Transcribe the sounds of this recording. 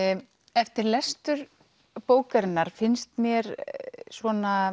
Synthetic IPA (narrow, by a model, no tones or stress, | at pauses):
ɛft̪ɪɾlɛst̪ʏɾ | poːwkaɾɪnːaɾ̥fɪnst̪mjɛɾsvɔːna